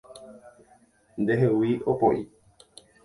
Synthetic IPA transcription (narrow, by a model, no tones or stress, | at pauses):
nd̪eɦewiʔopoʔi